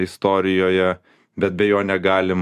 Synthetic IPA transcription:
ɪst̪oːɾʲɪjoːjɛ | bʲɛt̪bʲɛjoːnʲɛɡɑːlʲɪm

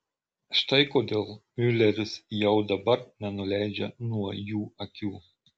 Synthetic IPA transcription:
ʃt̪ɐɪkoːd̪ʲeːlˠmʲʏlʲɛɾʲɪsjɛʊd̪ɐbɐɾnʲɛnʊlʲæɪd͡ʒʲɛnuɔjuːɐkʲuː

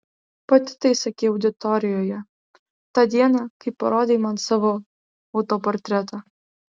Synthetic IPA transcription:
pɐt̪ʲɪ̥t̪ɐɪsɐkʲeːɐʊd̪ʲɪt̪ɔɾʲɪjoːjɛ | t̪ɑd̪ʲiɛnɑkɐɪpːɐɾoːd̪ʲeːmɑnsɑʋo | ɐʊt̪opɔɾʲt̪ʲɾʲæt̪ɐ

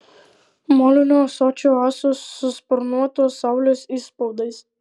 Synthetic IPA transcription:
moːlʲʊnʲoːsɔt͡ʃʲoːɑːsosːʊspɔɾnuɔt̪oːsːɑˑʊlʲoːsiːspɔʊd̪ɐɪs

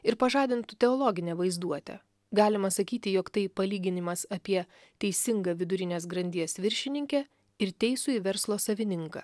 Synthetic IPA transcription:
ɪɾpɐʒɑːd̪ʲɪnt̪ʊt̪ʲɛɔːlˠɔːɡʲɪnʲɛʋɐɪzd̪uɔt̪ʲɛ̰ | ɡɑːlʲɪmɐsɐkʲiːt̪ʲɪjoːkt̪ɐɪpɐlʲiːɡʲɪnʲɪmɐsɐpʲiɛ | t̪ʲɛɪsʲɪŋɡɐːʋʲɪd̪ʊɾʲɪnʲeːs̬ɡɾɐnʲd̪ʲiɛsʋʲɪɾʲʃʲɪnʲɪŋʲkʲɛ | ɪɾt̪ʲɛɪsʊiʋʲɛɾslˠoːsɐʋʲɪnʲɪŋkɐ̰ː

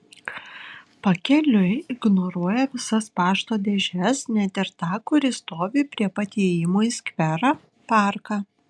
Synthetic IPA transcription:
pɐkʲɛlʲʊɪɡnoɾuɔjɛʋʲɪsɐspɑːʃt̪oːd̪ʲɛʒʲɛsnʲɛt̪ʲɪɾt̪ɑːkʊɾʲɪst̪oːʋʲiːpʲɾʲiɛpɐt̪ʲiɛjɪmoːisʲkʲʋʲɛɾɑː | pɑːˑɾkɑː

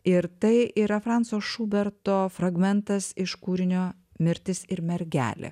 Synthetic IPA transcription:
ɪɾt̪ɐɪʔiːɾɐfɾɑˑnt̪soːʃuːbʲɛɾt̪oːfɾɐɡmʲɛnt̪ɐsɪʃkuːɾʲɪnʲoː | mʲɪɾʲt̪ʲɪsɪɾmʲɛɾʲɡʲæ̰ːlʲɪ̰

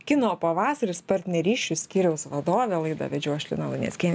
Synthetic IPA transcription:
kʲɪnoːpɐʋɑːsɐɾʲɪspɐɾʲt̪ʲnʲɛɾʲiːʃʲt͡ʃʲʊsʲkʲiːɾʲɛʊsʋɐd̪oːʋʲelˠɐɪd̪ɐ̰ːʋʲɛd͡ʒʲuɔʃʲlʲɪ̰nɐlˠɐɪnʲɛ̰sʲkʲɛːnʲ

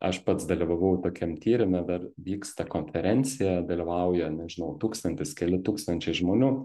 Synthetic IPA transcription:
ɐʃpɐt̪sd̪ɐlʲiʋɐʋɐʊt̪oːkʲɛmt̪ʲiːɾʲɪmʲɛd̪ɐrʋʲiːkst̪ɐkoːnʲfʲɛɾʲɛnʲt͡s̪ʲɪjɛd̪ɐlʲɪʋɐʊjɛnʲɛʒʲɪnɐʊt̪uːkst̪ɐnʲt̪ʲɪskʲɛlʲɪt̪uːkst̪ɐnʲt͡ʃʲɛɪʒmoːnʲuː

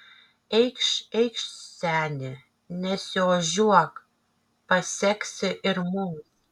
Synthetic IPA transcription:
ɛjkʃɛjkʃsʲæːnʲɪ | nʲɛsʲɪoʒuɔk | pɐsʲɛksʲɪʔɪrmum

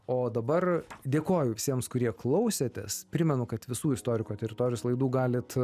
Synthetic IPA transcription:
oːd̪ɐbɐrd̪ʲeːkoːjʊʋʲɪsʲiɛmskʊɾʲiɛklˠɐʊsʲeːt̪ʲɛspʲɾʲɪmʲɛnʊkɐt̪ʋʲɪsuːɪst̪oːɾʲɪkoːt̪ʲɛɾʲɪt̪oːɾʲɪjoːslˠɐɪd̪uːɡɑːlʲɪt̪

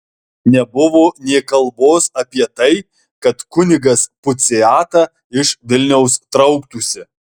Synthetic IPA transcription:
nʲɛbʊʋoːnʲɛːkɐlˠˑboːsɐpʲiɛt̪ɐɪ | kɐt̪kʊnʲɪɡɐspʊt̪sʲɪɑːt̪ɐ | ɪʃʋʲɪlʲnʲɛʊst̪ɾɐʊkt̪usʲɪ

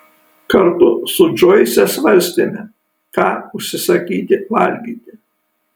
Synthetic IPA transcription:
kɐɾt̪ʊsʊd͡ʒɔɪsʲɛsʋɐɾʲsʲt̪ʲɪmʲɛ | kɑːʊʃʲsʲɪsɐkʲiːt̪ʲɪʋɐlʲɡʲiːt̪ʲɪ

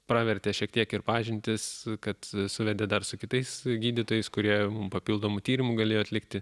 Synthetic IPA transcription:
pɾɑːʋʲɛɾʲt̪ʲeːʃʲiɛkt̪ʲiɛkɪrpɑːʒʲɪnʲt̪ʲɪskɐt̪sʊʋʲɛd̪ʲeːd̪ɐrsʊkʲɪt̪ɐɪsɡʲiːd̪ʲɪt̪oːjɛɪskʊɾʲiɛmʊmpɐpʲiːlˠd̪oːmʊt̪ʲiːɾʲɪmuɡɐlʲeːjoːɐt̪ʲlʲɪkt̪ʲɪ

